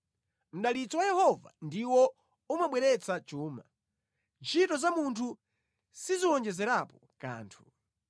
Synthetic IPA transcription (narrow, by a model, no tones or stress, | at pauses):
m̩ɗalit͡sɔwajɛhɔva̰ndiwɔ | umaɓwɛɾɛt͡sat͡ʃuːma | t͡ʃʰitɔzamuntʰu | siziwɔnd͡ʒɛzɛɾapɔka̰ːntʰu